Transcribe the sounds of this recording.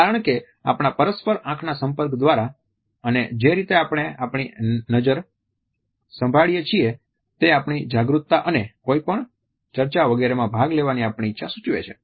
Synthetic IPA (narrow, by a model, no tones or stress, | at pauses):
aɾəɳ̃ke | a̰pɳ̃apəɾəspəɾãkʰnasə̃mpəɾkd̪ʋaɾa | əned͡ʒeɾit̪eapɽ̃eapɳ̃inəd͡ʒəɾ | sə̃mbʱaɭijet͡ʃʰie | t̪eapɳ̃id͡ʒaɡɾut̪ːaʔənekoipəɳ | t͡ʃəɾt͡ʃaʋəɡeɾemãbʱaɡleʋaniapɳ̃iːtːʃʰasut͡ʃʋḛt͡ʃʰḛ